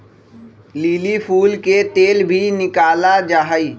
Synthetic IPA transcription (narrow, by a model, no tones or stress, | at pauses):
liːlipʰuːlket̪eːlbʱinɪkaːlad͡ʒaɦəi